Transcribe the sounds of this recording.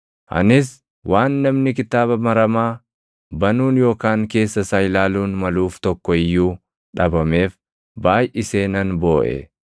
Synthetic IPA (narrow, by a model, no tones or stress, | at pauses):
ʔɐ̰nɪs̬ | wʔaːnːɐmnɪk̬ɪt̪aːβɐmɐɾɐmaː | bɐnuːnjo̞ːkaːŋke̞ːsːɐsɐjlaːluːnmɐluːft̪ɔkːɔɪjːuː | ᶑɐbɐme̞ːf | baːjʔɪse̞ːnɐnbo̞ːʔɛ̰